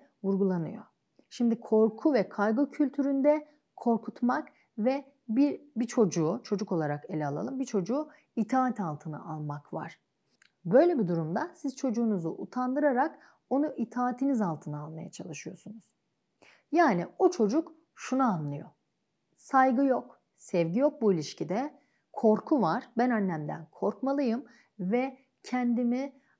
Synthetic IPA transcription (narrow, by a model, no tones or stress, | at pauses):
vuɾɡulˠanɯ̰jo̞̰ | ʃimd̪ikʰo̞ɾkʰuvɛkʰajɡocʰylʲt̪ʰyɾynd̪ɛ | kʰo̞ɾkʰut̪mak | vɛ | bibit͡ʃʰo̞d͡ʒuːt͡ʃʰo̞d͡ʒuko̞lˠaɾake̞lʲɛalˠa̰lˠɯmbit͡ʃʰo̞d͡ʒuː | it̪ʰaːat̪ʰalˠt̪ʰɯna̰ʔalˠmakva̰ɾ̥ | bø̞jlʲɛbid̪uɾumd̪asiz̥t͡ʃʰo̞d͡ʒuːnuzuʔut̪ʰand̪ɯɾaɾak | o̞nuʔit̪ʰaːt̪ʰinizalˠt̪ʰɯnaalˠmaja̰t͡ʃʰalˠɯʃɯjo̞sunuz̥ | jaːniot͡ʃʰo̞d͡ʒuk | ʃunaanlːˠɯjo̞̰ | sajɡɯjok | sɛvɟijo̞k̚builʲiʃcid̪ɛ | kʰo̞ɾkʰuvaɾ̥bænanːʲæmd̪æ̰nkʰo̞ɾkmalˠɯjɯm | vɛ | cʰɛnd̪imi